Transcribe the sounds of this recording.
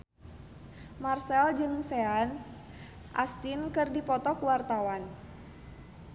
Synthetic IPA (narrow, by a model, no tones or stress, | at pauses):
marsɛld͡ʒɨŋsɛan | ʔast̪inkɨrdipɔt̪ɔkuwart̪awan